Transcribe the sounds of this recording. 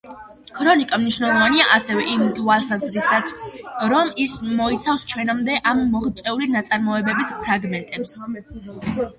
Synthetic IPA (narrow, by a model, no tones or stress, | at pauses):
kʰɾɔnikʼamniʃwnɛlˠɔvaniaʔasɛvɛʔimd̪ualˠsazɾisat̪sʰɾɔmismɔit̪sʰafst͡ʃʰwɛnamd̪ɛʔamːɔχt̪sʼɛulinat̪sʼaɾmɔɛbɛbispʰɾaɡmɛnt̪ʼɛps